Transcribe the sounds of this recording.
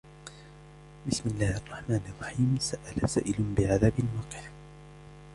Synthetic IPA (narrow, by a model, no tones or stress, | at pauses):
bɪsmɪlːaːhʔɑrˤːɑħmaːnʔɑrˤːɑħiːmsaʔalasaːʔɪlʊnbɪʕaðaːbɪlmɑːqɪ̥ħ